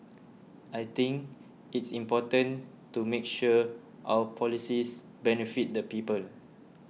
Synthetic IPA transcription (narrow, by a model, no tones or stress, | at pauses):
ʔajt̪ĩŋk | itsĩmpɔtə̃n | tumekʃu | ʔa̰wəpʰɔlisis | bɛnifit̚dəpiːpəl